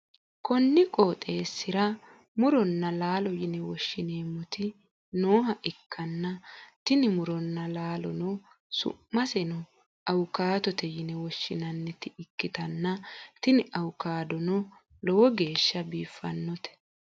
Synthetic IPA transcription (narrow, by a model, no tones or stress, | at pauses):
kɔnːɪkʼoːt̪ʼe̞ːsːɪɾɐ | mʊɾɔnːɐlaːlɔjɪnɛwɔʃːɪne̞ːmːɔt̪ɪ | no̞ːɦɐʔɪkʰːɐnːɐt̪ɪnɪmʊɾɔnːɐlaːlɔ̰nɔ | sʊ̰mːɐsɛnɔ | ɐwkaːt̪ɔt̪ɛjɪnɛwɔʃːɪnɐnːɛt̪ɪɪkːɪt̪ɐnːɐt̪ɪnɪʔɐwʊkaːd̪ɔnɔ | lɔwɔɡe̞ːʃːɐbiːfːɐ̰nːɔt̪ɛ̥